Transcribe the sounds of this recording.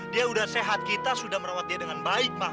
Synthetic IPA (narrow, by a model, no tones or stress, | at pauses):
diaudahseɦat̪̚kit̪asudahməɾawat̪̚diadəŋanbaɪk̚ma